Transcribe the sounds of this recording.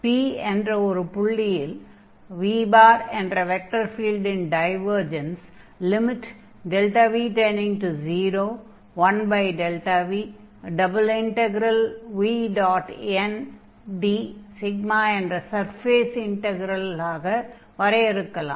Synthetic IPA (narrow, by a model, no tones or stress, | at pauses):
piːɛndrɐɔɾɯpʊɭːɪjɪl | ʋiːbaːɾɛɳɖɾɐʋɛk̚ʈɐɾfiːlɖɪnɖɐɪʋɐɾd͡ʒɐns | lɪmɪʈ | ɖɛlʈaːʋiːʈeːnɪ̃ŋʈuziːɾoː | ʋɐnbɐɪɖɛlʈaʋiː | ɖɐbɐlɪɳʈɛɡɾɐlʋiːɖaːʈɛn | ɖiːsɪɡmaːɛndrɐsɐɾfeːsɪɳʈɛɡɾɐlaːɣɐ | ʋɐɾɐɪɾɯkːɐla̰ː